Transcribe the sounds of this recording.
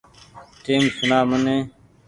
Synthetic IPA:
ʈeːmsʊnaːmənẽː

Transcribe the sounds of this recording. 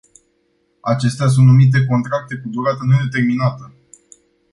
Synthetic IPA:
at͡ʃe̞st̪eas̬unt̪numit̪̬e̞ko̞nt̪ɾak̚t̪e̞kud̪uɾat̪ənud̪et̪e̞rminat̪ə

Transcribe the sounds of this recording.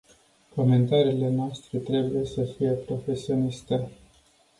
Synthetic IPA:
ko̞me̞nt̪aɾiːle̞noast̪ɾet̪ɾe̞buje̞səfije̞pɾo̞fe̞sio̞nist̪e

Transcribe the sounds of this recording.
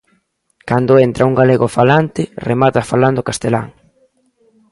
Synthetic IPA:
kand̪ʊent̪ɾauŋɡaleɣʊfalant̪ɪremat̪afaland̪okast̪ela̰ŋ

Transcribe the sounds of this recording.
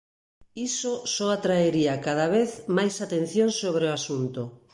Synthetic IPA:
isosɔat̪ɾaeɾiakað̞aβ̞eθmajsat̪ẽn̟θjõŋsoβ̞ɾeoasunt̪o

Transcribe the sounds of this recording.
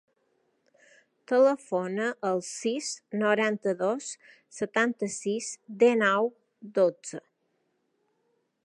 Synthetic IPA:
t̪ələfonəʔəlˠsisnoɾant̪əðosː | ət̪ant̪əsisd̪enɔw | d̪od͡zə

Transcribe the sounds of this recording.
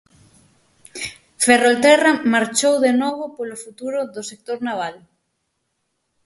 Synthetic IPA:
ferolt̪eramaɾt͡ʃowðenoβ̞opolofut̪uɾoðosek̚t̪oɾnaβ̞aðo

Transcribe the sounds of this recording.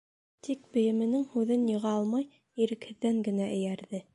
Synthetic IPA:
t̪ik̚bɘ̆jɘ̆mɘ̆nɘŋhʉðɘnjɤ̆ʁɑɑlˠmɑj | iɾɘ̆khɘ̆ðːæŋɡɘ̆næʔɘ̆jæɾðɘ

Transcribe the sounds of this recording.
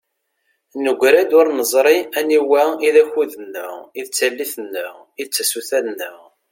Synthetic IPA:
nəɡʷɾæd̪ʊɾnəzˤɾˤiæniwæiðæçuðənːə̰ʁiðt͡sːælːiθənːəʁ | iðt͡sːæsuθæðnːəʁ

